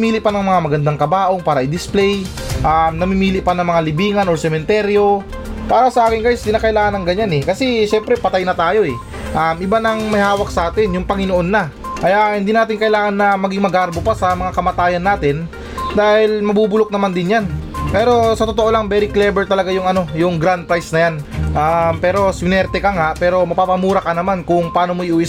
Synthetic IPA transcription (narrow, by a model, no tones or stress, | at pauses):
miːlɪpɐnɐŋmɐŋamɐɡɐnd̪aŋkɐbaːʔo̞paːɾɐʔɪd̪ɪsplɛj | ʔamnɐmimiːlɪʔpɐnɐŋmɐŋalɪbiːŋɐnʔoɹsɛmɛnt̪ɛɾjo̞ | paːɾɐsɐʔaːkɪnɡajst̪ɪnaːkɐʔɪlaːŋɐnɐŋɡɐɲanɛkɐsɛʃɛmpɾɛpɐt̪ajnɐt̪aːjo̞ɛ | ʔamʔɪbanɐŋmɐjhaːwɐk̚sɐʔaːt̪ɪnjʊŋpɐŋɪnoʔo̞nːɐ | ʔɐjahɪnd̪iːnaːt̪ɪŋkɐʔɪlaːŋɐnːɐmɐɡiŋmɐɡaɾbopasɐmɐŋakɐmat̪aːjɐnːaːt̪ɪn | d̪aːhɪlmɐbuːbʊlok̚nɐmand̪ɪnjanpɛːɾo̞sɐt̪o̞t̪oʔo̞lɐŋbɛːɾiklɛːbɛɹt̪ɐlɐɡajʊŋɐno̞jʊŋɡɾand̪̚pɾajsnɐjanʔampɛːɾo̞sɪnɛɾt̪ɛkɐŋaʔpɛːɾo̞mɐpaːpɐmuːɾɐkɐnɐmankʊŋpɐaːno̞moʔɪʔuːʔɪ